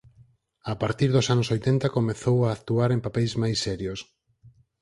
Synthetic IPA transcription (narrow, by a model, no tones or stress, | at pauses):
apaɾt̪iɾðʊsanʊsojt̪ɛnt̪akomeθowaːkt̪uaɾempapɛjzmajsːɛɾjos